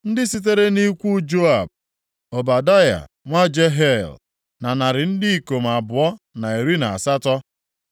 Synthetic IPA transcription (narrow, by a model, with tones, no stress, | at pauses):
n̩˦dɪ˦si˦t̬e˦ɾe˦ni˦kʷu˦d͡ʒo˦a˨b̚ | o˨ba˨da˦ja̰˨ | ŋʷa˦d͡ʒe˦ɦe˦˨l | na˨na˨ɾɪ˨n̩˦dɪ˦i˨ko˨m̩˨a˨bʊ˨ɔ˦na˨e˨ɾi˦na˨a˨sa˦tɔ˦